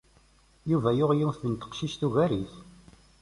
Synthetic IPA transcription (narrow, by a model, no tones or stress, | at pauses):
juvæjʊʁjiwθənt̪ə̥qʃiʃt̪uʝæɾiθ